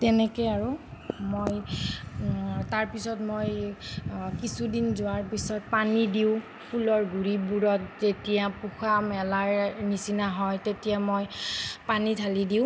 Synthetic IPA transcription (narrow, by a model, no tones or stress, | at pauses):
tɛnɛkɔjaɹumoj | taɹpisɔtmoj | kisudinzʊwaɹpisɔt̚panidiʊ̃ | pʰulɔɹɡʱuɹibuɹɔtzetijapuxamɛlaɹnisinaɦɔjtetijamojpanitʰalidiʊ̃